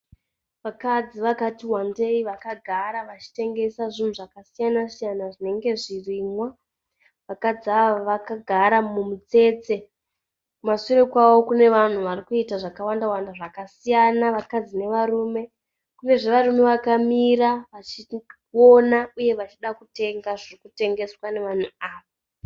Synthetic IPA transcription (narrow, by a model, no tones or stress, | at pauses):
ʋakad͡ziʋakatiwande̞iʋakaɡʱaɾaʋat͡ʃi̥te̞ŋɡe̞saʐin̤uʐakasijanasijanaʐine̞ŋɡe̞ʐiriːmwa | ʋakad͡ziaaʋakaɡʱaɾamumut͡se̞ːt͡se̞ | kumasurekwawo̞kune̞ʋan̤uʋarikuitaʐakawandawandaʐakasijanaʋakad͡zine̞ʋaɾuːme̞ | kuŋe̞ʐeʋaɾume̞ʋakamiraʋat͡ʃi | onauje̞ʋat͡ʃiɗakute̞ŋɡaʐirikute̞ŋɡe̞swane̞ʋan̤uaːʋa